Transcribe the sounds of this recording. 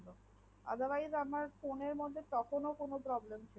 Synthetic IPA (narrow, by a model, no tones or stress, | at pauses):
lo | a̰d̪ʱabaiɾamaɾfoneɾmod̪ʱːet̪ɔkʰonokonopɾɔblemt͡ɕʰi